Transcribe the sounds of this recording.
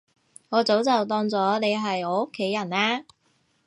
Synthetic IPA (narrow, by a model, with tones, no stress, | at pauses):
ŋɔː˨˧t͡so˨˥wt͡sɐ˨wt̪ɔː˧ŋt͡sɔː˨˥ne˨˧jɦɐ˨jɔː˨˧o˥kʰːe˨˥jːɐ˨˩naː˧˥